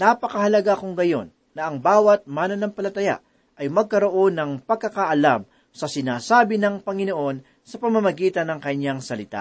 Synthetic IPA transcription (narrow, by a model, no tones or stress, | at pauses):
napɐkɐhɐlɐɡaɐkoŋɡɐjo̞̰nːɐʔɐŋbaːwɐt̪̚maːnɐnɐŋpɐlɐt̪ɐja̰ | ʔɐjmɐɡ̚kɐɾo̞ʔo̞nɐŋpɐɡ̚kːɐkaʔɐlam | sɐsɪnaːsaːbɪnɐŋpɐŋɪno̞ʔo̞n | sɐpɐmɐmɐɡiːt̪ɐnːɐŋkɐɲaŋsɐlɪt̪a̰